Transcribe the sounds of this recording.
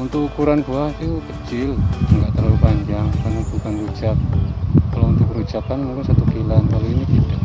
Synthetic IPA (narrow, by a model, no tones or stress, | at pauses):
unt̪ʊk̚ukuɾanbuaht̪ukət͡ʃɪlŋɡaʔt̪əlalupaɲd͡ʒaŋkarnab̥ukanrut͡ʃat̪̚kalount̪ʊk̚mrɾut͡ʃakanmuŋkɪnsat̪ukilankaluiniki